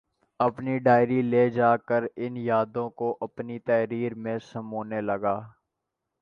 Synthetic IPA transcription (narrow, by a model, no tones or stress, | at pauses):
ɐpniɖaːɪɾileːd͡ʒaːkəɾɪnjaːd̪õkoʔɐpnit̪ɛːɾiːɾmẽsɐmoːneləɡaː